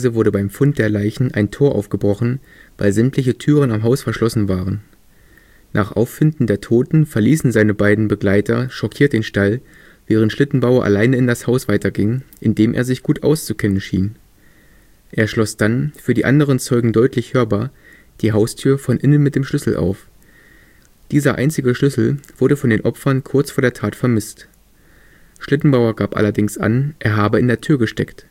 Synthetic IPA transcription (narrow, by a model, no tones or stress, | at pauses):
zəvʊɐɾəbaɪmfʊnt̚d̥eːɐlaɪçn̩ʔaɪntʰoːɐʔa̰ʊfɡ̥əbʁɔχn̩ | vaɪlzɛmtʰlɪçətʰyːʁ̞ənamɦaʊsfɛɐʃlɔsn̩vaːʁ̞ən | nʔaːχʔa̰ʊfːɪndn̩deːɐtʰoːtn̩fɛɐliːsn̩zaɪnəbaɪdn̩bəɡlaɪtʰɐʃɔkʰiːɐtd̥eːnʃtal | vɛːʁ̞əntʃlɪtn̩baʊɐʔa̰laɪnəɪndashaʊsv̥aɪtɐɡɪŋʔɪndeːmʔḛːɐzɪçɡ̥uːtʔa̰ʊst͡sukʰɛnənʃḭːn | ʔeːɐʃlɔsd̥anfyːɐdiːʔandəʁ̞ənt͡sɔʏɡŋ̩dɔʏtʰlɪçhøːɐbaːɐ | d̥iːɦaʊstʰyːɐfɔnʔɪnənmɪt̚d̥eːmʃlʏsl̩ʔa̰ʊf | d̥iːzɐʔa̰ɪnt͡sɪɡəʃlʏsl̩v̥ʊɐdəfɔndeːnʔɔpfɐnkʰʊɐt͡sfoːɐdeːɐtʰaːtfɛɐmɪst | ʃlɪtn̩baʊɐɡaːpʔa̰lɐdɪŋsʔa̰nʔeːɐɦaːbəɪndeːɐtʰyːɐɡəʃtɛ̰kt